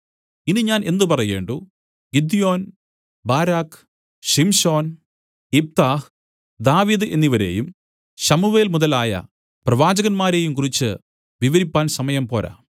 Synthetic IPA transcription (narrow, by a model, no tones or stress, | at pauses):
inɨɲaːne̞nd̪ɨpɐrɐje̞ːɳɖu | ɡid̪ijo̞ːn | baːɾaːk | ɕimɕo̞ːn | ip̚t̪aːh | d̪aːʋiːðɨʔe̞̰nːiʋɐɾe̞̰ːjum | ɕɐmuʋeːlmuðɐlaːjɐ̰ | prɐʋaːd͡ʑɐɣɐnmaːɾe̞ːjumkurit͡ɕːɨ̰ | ʋiʋɐɾipːaːnsɐmɐjɐmpo̞ːɾa̰